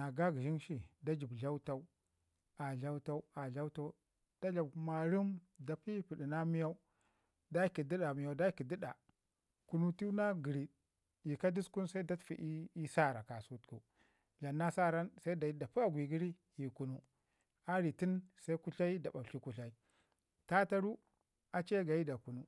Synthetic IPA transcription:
na˨ɡa˦ɡi˨ʒi˦nʃi˨da˦d͡ʒi˨bɮa˦u˦ta˦u˦ | a˨ɮa˦u˦ta˦u˦a˨ɮa˦u˦ta˦u˦ | d̥a˦ɮa˨bma˨ɾi˦mda˨pi˦pi˨ɗi˨na˦mi˦ja˦u˦ | da˦ki˨di˦ɗa˨mi˨ja˨u˦da˦ki˨di˦ɗa˨ | ku˦nu˦ti˦na˦ɡi˨ɾi˨ | ji˨ka˦di˦sku˦nsa˦i˦da˦tfḭ˨ʔi˦sa˦˨ɾa˨ka˨su˦tku˨ | ɮa˨nːa˦sa˦ɾa˦nsa˦i˦da˨i˦da˨pi˦a˨ɡʷi˨ɡi˦ɾi˦ | ji˨ku˨nu˦ | a˦ɾi˨ti˦nsa˦i˦ku˦ɬa˦i˦da˨ɓa˨ɬi˦ku˨ɬa˨i˦ | ta˦ta˦ɾu˦ | a˨t͡ʃe˦ɡa˨ji˦da˨ku˨nu˦

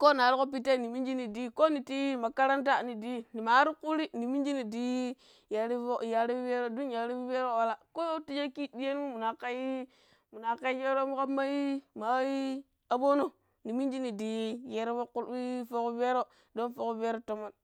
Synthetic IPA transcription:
ko˦n˨a˨˦ɾi˦ko˦p̬i˦te˦˨ni˨mi˦nd͡ʒi˦ni˨di˦ko˦ni˨ti˦ma˨ka˦ɾa˦nta˦˨ni˨di˦˨ni˨ma˨˦ɾi˦ku˦ɾi˦ni˨mi˦nd͡ʒi˦ni˨di˦ | ja˨ɾi˦o˦˨ja˨ɾi˦ve˦ɾo˦du˦nja˨˦ɾi˦ve˦ɾo˦wa˦la˦ko˦ti˦d͡ʒa˦ki˦di˦e˦n˦mu˦mu˨na˨ka˦ji˦ | mu˨na˨ka˦je˦ɾo˦mu˦ka˦ma˦i˦ma˨˦i˦ | a˨bo˦no˦ | ni˨mi˦nd͡ʒi˦ni˨di˨˦je˦ɾo˦wo˦ku˦li˦fo˦ku˦ve˦ɾo˦ | do˦nfo˨ku˦ve˦ɾo˦to˦ma˦n

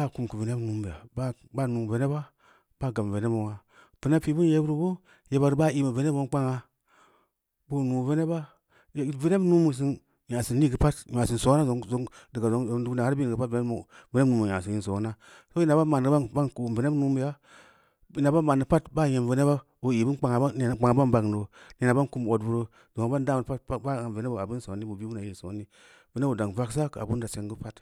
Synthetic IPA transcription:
ba˦˨ku˨mki˨ve˨ne˦nu˦mbi˨ja̰˨ba˦ | ba˦nu˨ve˨ne˦ba˦ | ba˦˨ɡa˨m˨ve˨ne˦bo˨ŋa˨ | v̥i˨ne˦pi˨˦bu˦n˦je˨˦bɾu˦bo˦ | je˨ba˨ɾu˨˦ba˦˨i˦ma˨ve˨ne˦bo˦n˦k͡pa˦ŋa˧ | bu˦˨nu˨ve˦ne˦ba˦˨˦ | ve˨ne˦bnu˦mu˨s̬i˨n | ja˨si˨ni˦ɡə˨pa˦tja˨si˨nso˨˦a˦˨˦zo˨˦ŋdi˨ɡa˨zo˨˦o˨˦du˦na˨a˦bi˦˨ɡə˨pa˦tve˦ne˦mu˨ve˦ne˦nu˨˦mu˨ja˨s̬i˨nji˦˨nso˨˦na˦ | so˦i˦na˨ba˦ma˨ɡba˦ba˦nku˨ve˨ne˦bnu˦mu˨ja˦ | i˨˦na˨ba˦ma˨nɨ˨pa˦tba˦˨je˨nve˨ne˦ba˦ | o˨i˨bi˦nk͡pa˨ŋa˨˦˨n˨k͡pa˨ŋa˨ba˦nba˨ɡno˨ni˨na˨ba˦n˦ku˦m˨o˨dvu˨ɾo˦ | zo˨m˨ba˦n˦da˦m˨pa˦tba˦a˨ve˨ne˦bo˨a˨bi˦so˨˦ni˦bu˨bi˦u˦na˨i˦˨so˨˦ni˦ | ve˦ne˦bo˨da˨ŋ˨va˦ksa˦ka̰˨bu˦nda˨se˨ŋɡə˦pa˦t

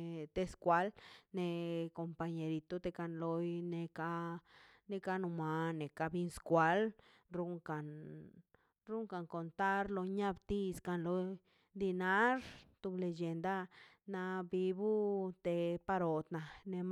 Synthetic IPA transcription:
t̪e˧skʷa˧˦lne˧ko˧mpa˧ɲe˨ɾi˨t̪o˦t̪e˧ka˧nlo˧jne˧ka˦ | ne˧ka˦nu˧ma˨ne˨ka˧bi˧nskʷa˧l | ɾu˦ŋka˨n | ɾu˦ŋka˨ŋko˨nt̪a˦ɾlo˧ɲa˦˧bt̪i˧ska˧nlo˧ | d̪i˧na˦ɾt̪u˧ble˧d͡ʒe˨nd̪a˦ | na˧bi˧bu˦t̪e˧pa˧ɾo˨t̪na˨ne˧m

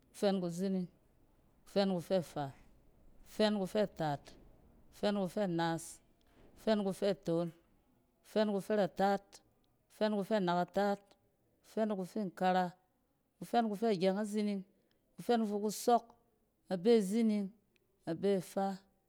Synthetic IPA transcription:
ku˨fe˦nku˧zi˦ni˧ŋ | ku̥˨fe˦nku˧fe˦˨fa˨ | u˧˨fe˦nku˧fe˦˨taː˨t | ku̥˨fe˦nku˧fe˦˨na˨˦s | u̥˨fe˦nku˧fe˦˨to˨˦n | ku̥˧fe˦nku˧fe˦ɾa˨taː˦t | ku̥˨˧fe˦nku˧fe˦˨na˨ka˨ta˦t̚ | ku̥˧˨fe˦nku˧fe˦˨ŋ˨ka˧ɾa˧ | ku˧fe˦nku˧fe˦˨ɡʲe˨ŋa˦zi˦ni˧ŋ | ku˧fe˦n˧fu˧ku˧so˦k | a˨be˦˨zi˦ni˧ŋ | a˨be˦˨fa˦

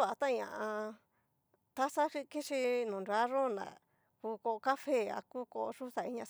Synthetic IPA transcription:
a˨t̪ã˦˧ɲã̰˧˨ʔã˧ | t̪a˦sa˦ʂi˦ki˦ʂi˧nũ˨nɾa˦ɾo˦na̰˨ | kuː˧ko˧ʔo˧ka˦fe˦˨a̰˧ku˦ko̰˧ʔo˧ʂu˦sa˨i˧˦ɲã˧

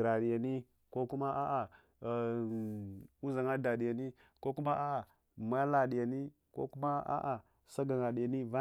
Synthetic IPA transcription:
ɾa˨ɗi˨ja˨ni˦ | ko˦ku˦ma˦ʔa˦ʔa˨ | u˦za˨ŋa˦da˨ɗi˨ja˨ni˦ | ko˦ku˦ma˦a˦a˨ | m˨a˦la˨ɗi˨ja˨ni˦ | ko̰˦ku˦ma˦ʔa̰˦ʔa˨ | sa˦ɡa˨ŋa˨ɗja˨ni˦va˦

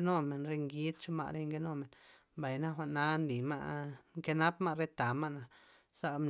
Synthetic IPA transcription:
no˦me˨nɾe˧ŋɡi˦d̪t͡ʃo˦ma̰˧ʔɾe˧ŋke˦no˦me˨n | ba˨jna˦xʷa˧˨ʔna˦nli˨ma̰˧ʔŋke˦na˦pma˦˧ɾe˦t̪a˨ma˦ʔna˨ | sa˧m˧

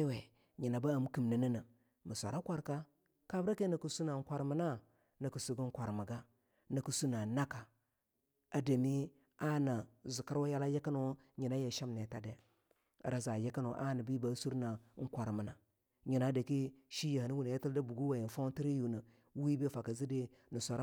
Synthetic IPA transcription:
a˦we˨ | ɲi˨na˨ba˦a˨m˦ki˨mnə˨nə˦nə˨ | mə˨sʷa˨ɾa˦kʷa˨ɾka˦ | ka˨bɾa˦ke˦nə˨kə˨su˦na˨ŋ˦kʷa˨ɾmə˨na˦ | nə˨kə˨su˨ɡə˦ŋ˦kʷa˨ɾmə˨ɡa˦ | nə˨ku˨su˦na˨na˦ka˨ | a˨da˨mi˦ | a˦na˨zu˨ka˦ɾwa˦ja˦la˦je˦ka˦no˦ | ɲi˨na˦je˨ʃa˦mne˨ta˨dḛ˨˦˨ | ɾa˨za˨je˦ka˦no˨ʔa̰˦nə˨bi˦ba˨˦su˦ɾna˨˦ŋ̩˦kʷa˨ɾmə˨na˨ | ɲi˨na˦da˨ki˦ʃi˦ja˨ha˨ni˦wu˨n˨ja˦ti˦lda˦bu˨ɡu˦wa˨ji˨n˨fa˦ti˦ɾi˦ju˨nə˨ | wi˦be˦fa˨ka˨zi˦de˦ | nə˨sʷa˨ɾ

